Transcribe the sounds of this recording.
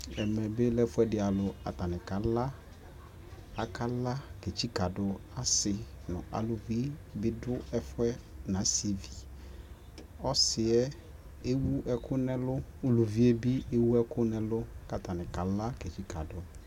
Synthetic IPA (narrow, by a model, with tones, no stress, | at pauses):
ɛ˨mɛ̃˨be˦lɛ˦fʊ˦ɛ˦dɪ˨˦a˨lʊ˨a̰˨ta˨nɪ̃˨ka˨la˦ | a˨kʰa˦la˦ke˨t͡ʃi˦ka˨dʊ˨˦a˨sɪ˨nʊ̰̃˨a̰˨lʊ˨vi˦bɪ˦dʊ˦ɛ˦fʊ˦ɛ˦nã˨˦svi˨ | ɔ˦sɪ˨ɛ˦ | e˦wu˦ɛ˦kʰʊ˦nɛ̃˦lʊ˦u˨lu˨vi˦e˦bi˦e˦wu˦ɛ˦kʊ˦nɛ̃˦lʊ˦ka˨ta˨nɪ̃˨ka˨la˦ke˨t͡ʃi˦ka˨dʊ˨